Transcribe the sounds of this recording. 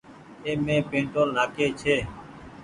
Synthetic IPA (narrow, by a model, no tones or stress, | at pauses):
eːmẽːpẽːɳʈoːlnaːkeːt͡ʃʰeː